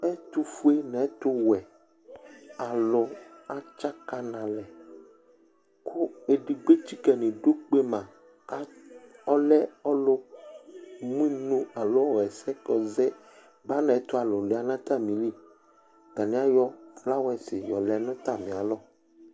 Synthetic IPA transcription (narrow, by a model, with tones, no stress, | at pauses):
ɛ˦t̪u˦fu˦e˦nɛ̃˨˦t̪o˦wɛ˨ | a˨lɔ˨a˦t͡ʃa˦ka˨nã˨lɛ˨ | kʰo˦e˨ɖi˨ɡ͡be˦t͡ʃi˦kɛ˨nẽ˨ɖo˦k͡pe˦mã˨ | a˦ɔ˦lɛ˦ɔ˦lo˦ | mũ˦i˦nũ˦a˨lɔ˦ɔ˦˨ɣɛ˨sɛ˦kɔ˨zɛ˦ | ba˦nã˨˦t̪o˦a˨lɔ˨le˨a˨nã˦t̪a˦mĩ˨li˦ | ɡa˨nĩ˦a˦jɔ˦fla˦wɛ˦se˨jɔ̰˨lɛ˨˦nɔ̃˦t̪a˦˨mĩ˨a˨lɔ˦